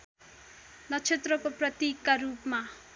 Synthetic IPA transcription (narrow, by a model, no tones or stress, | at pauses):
nʌt͡sʰet̪rʌkoprʌt̪ikːaɾupma